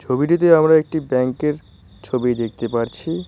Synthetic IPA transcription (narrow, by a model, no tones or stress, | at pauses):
t͡ɕʰobiʈit̪̬eamɾaek̚ʈibɛŋkeɾ | t͡ɕʰobid̪ek̚ʰt̪epaɾt͡ɕʰi